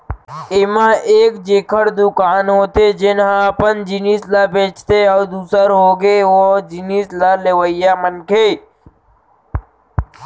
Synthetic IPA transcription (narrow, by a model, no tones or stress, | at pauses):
ɪmãːʔeːkd͡ʒeːkʰəɾd̪ukaːnɦoːt̪eːd͡ʒɪnɦãpənd͡ʒiniːslaːbʱẽːt͡ʃt̪eɔːɾd̪uːsəɾɦoːɡeʋod͡ʒiniːslaːleʋəijaːmənkʰeː